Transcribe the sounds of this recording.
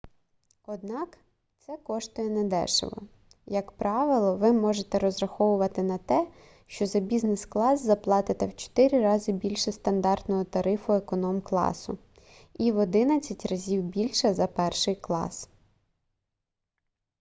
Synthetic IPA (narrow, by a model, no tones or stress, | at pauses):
ɔd̪̚nɑk | t̪sɛkɔʃt̪ɔjɛnɛd̪ɛ̰ʃɪ̰ʋɔ̰ | jɐkpɾʔɑʋɪlˠɔʋɪmɔʒet̪ɛɾɔzɾɐxɔʋʊʋɐt̪ɪnɐt̪ɛ | ʃt͡ʃɔzɐbʲiznɛsklˠɑzzːɐplˠɑt̪ɪt̪ɛwt͡ʃɔ̥t̪ɪɾʲiɾɑzɪbʲilʲʃɛst̪ɐnd̪ɑrt̪nɔɦɔt̪ɐɾɪfʊekɔnɔmklˠɑ̰sʊ̰ | iʋɔd̪ɪnɐt͡sʲːɐtʲrɐzʲiwbʲilʲʃɛzɐpɛrʃɪjklˠɑ̰s